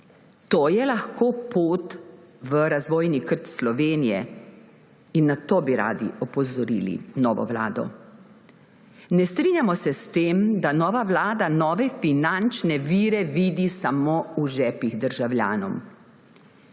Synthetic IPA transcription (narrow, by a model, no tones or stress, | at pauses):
t̪oːjɛlaxkʰoːpoːt̪ | ʋəɾazʋɔːjnikəɾt̪slɔʋeːnijɛ | inːat̪oːbiɾa̰ːd̪ḭɔpɔzɔɾiːlḭnɔːʋɔ̰ʋla̰ːd̪ɔ̰ | nɛst̪ɾiːnʲjamɔsɛst̪eːmd̪anɔːʋaʋlaːd̪anɔːʋɛfinant͡ʃnɛʋiːɾɛʋiːd̪isamoːuʒɛːpiɣd̪əɾʒawlja̰ːnɔ̰m